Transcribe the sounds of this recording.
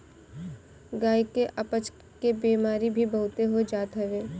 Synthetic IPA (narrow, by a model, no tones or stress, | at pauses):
ɡaːikeʔɐpət͡ʃ | kebiːmaːɾibʱibɐɦʊt̪eɦod͡ʒaːt̪ɦɐʋeː